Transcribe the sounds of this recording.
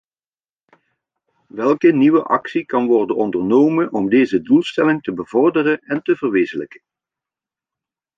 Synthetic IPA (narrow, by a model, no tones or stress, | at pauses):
ʋɛlˠkəniʋəʔɑksikɑnʋɔrdənɔndərnoːmənʔɔmdeːzədulˠstɛlɪŋtəbəvɔrdərəɛntəvərʋeːzələkə̥n